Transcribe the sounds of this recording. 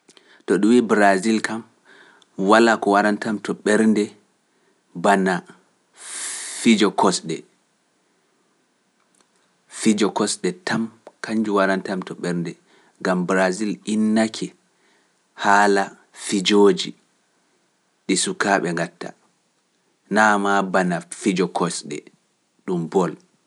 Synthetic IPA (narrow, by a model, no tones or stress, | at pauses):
tɔɗuwiːbɾazilkam | walakɔwaɾantamtɔɓɛɾndɛ | bana | fid͡ʒɔkʰɔsɗɛ̰ | fid͡ʒɔkɔsɗɛtamkaɲd͡ʒuwaɾantamtɔɓɛɾndɛ | ɡambɾazilinːakʰɛ | haːla | fid͡ʒoːd͡ʒi | ɗisukaɓɛŋɡatːa̰ | namabanafid͡ʒɔkʰɔsɗɛ̰ | ɗumbɔl